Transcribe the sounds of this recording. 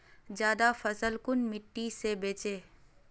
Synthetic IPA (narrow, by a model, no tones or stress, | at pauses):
d͡ʒjaːd̪afɐsəlkʊnmɪʈːisebeːt͡ʃeː